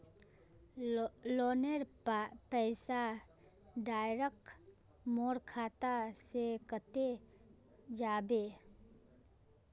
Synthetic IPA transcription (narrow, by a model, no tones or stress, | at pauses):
loːneɾ | pɛːɪsa | ɖaːjɾək̚ | moːɾkʰaːt̪asekət̪e | d͡ʒaːbeː